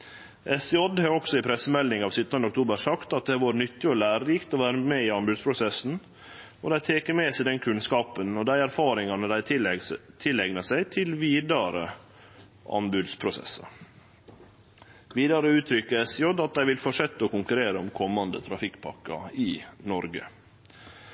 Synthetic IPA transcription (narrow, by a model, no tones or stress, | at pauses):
ʔɛsɪɔd̪hɑɔksɔɪpʰɾɛsːəmɛlːɪŋɑːʋsʏt̪ːɑnd̪əʊkt̪ʰuːbəʂɑkt̪ɑt̪̚d̪ɛæɾʋoːɾnʏt̪ːɪɔlæːɾəlɪkt̪ɔʋæːɾəmɛɪɑnbʉːd̪spʰɾʊsɛsn̩ | ɔd̪æɪt̪ʰeːkəmɛːsæɪd̪ɛnkʰʉnskɑːpənɔd̪æɪæɾfɑːɾɪŋɑnəd̪æɪt̪ʰɪlɛɡnəsæɪt̪ʰɪlʋiːd̪ɑɾə̰ | ʔɑ̰nbʉːd̪spʰɾʊsɛ̰sːə̰ɾ | ʋiːd̪ɑɾəʉːt̪ʰɾʏkːəɛsjɔd̪ɑt̪̚d̪æɪʋɪlfɔʂɛt̪ːəɔkʊŋkʉɾeːɾəɔmkʰɔmːɑnd̪ət̪ʰɾɑfɪkːpʰɑkːɑ̰ɪnɔɾɡə̰